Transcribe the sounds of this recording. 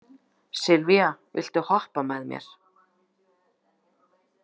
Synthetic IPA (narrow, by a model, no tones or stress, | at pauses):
sɪlvjavɪ̰l̥t̪ʏhɔhpamɛðmjɛ̰ɾ̥